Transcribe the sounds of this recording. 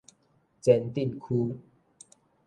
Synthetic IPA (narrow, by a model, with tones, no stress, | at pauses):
t͡sɛ˧nt̪i˥˨nkʰu˦